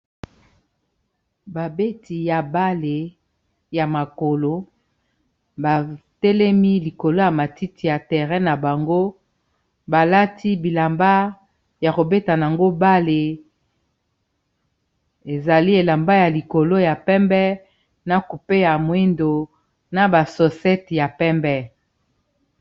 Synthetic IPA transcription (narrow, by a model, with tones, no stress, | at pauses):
ba˨be˦ti˨ja˨ba˦le˨ | ja˨ma˨ko˨lo˦ | ba˨tɛ˦lɛ˦mi˦li˨ko˨lo˦ja˨ma˨ti˦ti˨ja˨tɛ˨ʁɛ˦na˨ba˨ŋɡo˦ | ba˨la˦ti˦bi˨la˨mba˦ | ja˨ko˨be˦ta˨n˨a˨ŋɡo˦ba˦le˨ | e˨za˨li˦e˨la˨mba˦ja˨li˨ko˨lo˦ja˨pɛ˦mbɛ˦ | na˨ku˨pe˦ja˨mwe˦ndo˨ | na˨ba˨sɔ˨sɛ˦tja˨pɛ˦mbɛ˦